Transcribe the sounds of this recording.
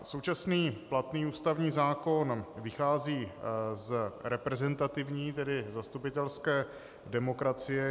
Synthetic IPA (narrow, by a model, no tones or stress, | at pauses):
sowt͡ʃasniːplat̪niːuːst̪avɲiːzaːko̞nvɪxaːziːzɾɛpɾɛzɛnt̪at̪ɪvɲiːt̪ɛdɪzast̪upɪt̪ɛlskɛː | dɛmo̞kɾat͡sɪjɛ